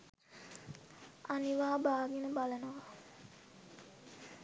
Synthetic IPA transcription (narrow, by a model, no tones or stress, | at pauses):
aniʋaːbaːɡinəbalənoʋa